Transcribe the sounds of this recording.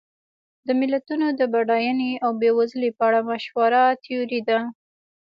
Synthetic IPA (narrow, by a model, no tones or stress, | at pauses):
d̪əmɪlat̪unod̪əbaɖɑjaneawbewazlepəaɽamaʃwaɾat̪ʰioɾid̪a